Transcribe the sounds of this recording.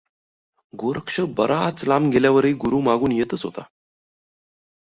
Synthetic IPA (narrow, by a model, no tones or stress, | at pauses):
ɡoɾəkʂəbəɾat͡slamɡʱeljaʋəɾeːɡuɾuːmaɡuːnjet̪ət͡sɦot̪a̰